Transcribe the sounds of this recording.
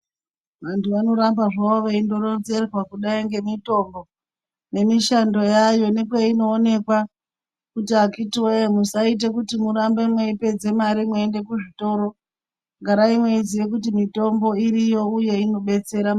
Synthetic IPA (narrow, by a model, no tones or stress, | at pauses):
ʋantʰuʋano̞ɾambaʐaoʋaindo̞ɾonze̞rrwakuɗaiŋɡe̞mito̞mbo̞ | ne̞miʃando̞jajo̞ne̞kweino̞ːne̞kwa | kutiakitwemusait̬ekutimuɾambemwe̞ipe̞d͡ze̞maɾimweende̞kuʐito̞ɾo̞ | ŋɡaɾaimweiziʋe̞kutimito̞mbo̞iɾijo̞uje̞ino̞ɓe̞t͡se̞ɾam